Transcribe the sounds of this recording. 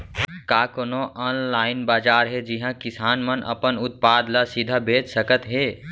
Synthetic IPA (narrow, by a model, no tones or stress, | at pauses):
kakonoʔɔnlaɪnbad͡ʒaːɾɦed͡ʒiɦãkisanmənə̰pənut̪̚pad̪lasid̪ʱabeːd͡ʒsəkət̪ɦe